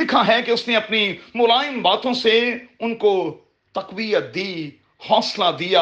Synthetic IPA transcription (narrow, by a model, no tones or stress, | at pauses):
ɪkʰaɦɛkeʊsneɐpnimʊlaːɪmbaːt̪õseʊnko | t̪ɐqwijət̪̚d̪iː | hɔːslad̪ijaː